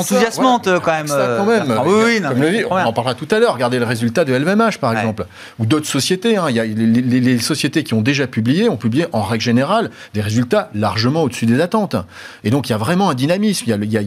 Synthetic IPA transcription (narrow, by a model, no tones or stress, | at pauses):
t̪uzjasmɑ̃t̪kɑ̃mɛmakɑ̃mɛmiwikɔməviɔ̃nɑ̃paʁlʁat̪ut̪alœʁːəɡaʁd̪eləʁezylt̪ad̪əɛlɛmaʃpaʁɛɡzɑ̃pl | ud̪ot̪χə̥sɔsjet̪eɛ̃iljalelellesɔsjet̪ekʲiɔ̃d̪eʒapyblijeɔ̃pyblijeʔɑ̃ʁɛɡlʒeneʁal | d̪eʁezylt̪alaʁʒəmɑ̃od̪əsyd̪ezat̪ɑ̃t̪ | ed̪ɔ̃k̬iljavʁɛmɑ̃ɛ̃d̪inamismijalilja